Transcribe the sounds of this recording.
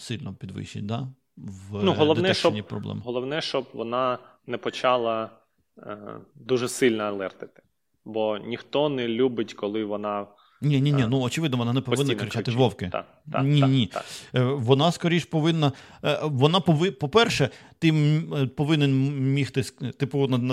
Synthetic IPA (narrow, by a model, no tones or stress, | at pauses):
sɪlʲnɔpʲid̪ʋɪ̰ʃɪ̰t̚ʲd̪ɑ | ʋnuɦɔld̪ˠɔnɛɛkʃɔnʲipɾɔ̰blˠɛ̰mɦɔlˠɔʋnɛʃt͡ʃɔb̚ʋɔnɑ | nɛpɔt͡ʃɑlˠɐ | d̪uʒɛsɪlʲnɐɐlˠɛrt̪ɪ̥t̪ɪ̥ | bɔnʲixt̪ɔnɛlʲubɪtʲkɔlˠɪʋɔnɑ | nʲinʲinʲinuɔt͡ʃɪʋɪd̪nɔʋɔnɑnɛpɔʋɪnːɐkɾɪt͡ʃat̪ɪʋɔwkɪt̪ | nʲinʲi | ʋɔnɑskɔɾʲiʃpɔʋɪnːɐʋɔnɑpɔʋɪpɔpɛrʃɛt̪ɪmpɔʋɪnɛnmʲixt̪ɪst̪ɪpɔʋɪnɐnɐ